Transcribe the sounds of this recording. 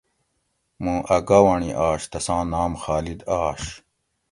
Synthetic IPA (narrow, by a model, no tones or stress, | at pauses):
mũʔɐɡawɐɳiʔaːɕt̪ɐsãːnaːmxaːlid̪aːɕ